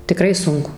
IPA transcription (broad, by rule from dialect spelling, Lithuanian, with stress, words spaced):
tʲɪˈkrɐɪ ˈsʊŋkʊ